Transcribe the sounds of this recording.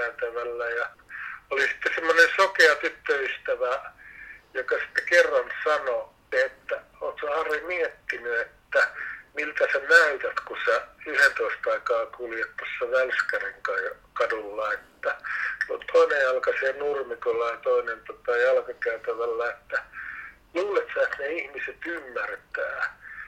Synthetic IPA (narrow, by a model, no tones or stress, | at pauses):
æyt̪æʋælːæjɑ | olisi̥t̪ːesemːonensokeɑt̪yt̪ːøyst̪æʋæ | jokɑsi̥t̪ːekerːɑnsɑno | et̪ːæ | onsehɑrimiet̪ːinyet̪ːæmilt̪æsenæyt̪æt̪kusæyhent̪oist̪ɑikɑːkuljet̪ːosːɑʋælskæriŋkɑjkɑdulːɑet̪ːælot̪ʰoinejjɑlkɑseːnurmikolːɑjɑt̪oinent̪ot̪ɑjɑlkɑkæyt̪æʋælːæet̪ːæ | luːlet̪sɑet̪neihmiset̪ymːært̪æː